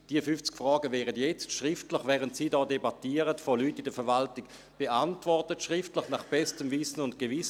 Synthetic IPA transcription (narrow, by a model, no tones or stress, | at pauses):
d̥iːəfʏnft͡skfʁɔːɡəvɛːʁətjɛt͡stʃʁɪftlɪχvɛːʁəntsiːdɔːdebatiːəʁətfolyːtːɪdəfɛɐvaltɪk | b̥eʔantvɔʁtətʃʁɪftlɪχnaχb̥ɛstəmvɪsənʊntɡ̥evɪs